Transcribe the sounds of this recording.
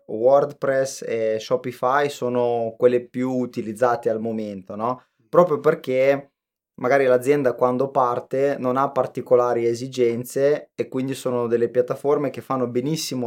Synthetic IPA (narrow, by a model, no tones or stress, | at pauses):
wɔrd̪pɾɛseʃɔpːifajsoːnokwelːepjuːt̪ilid̪zːaːt̪ealmoment̪onɔ | pɾɔːpɾjoperk̟e | maɡaːɾilad̪zːjɛnd̪akwand̪opart̪enonapːart̪ikolaːɾiezid͡ʒɛnt̪seːkːwind̪isoːnod̪elːepjat̪ːaformek̟efanːobenisːimo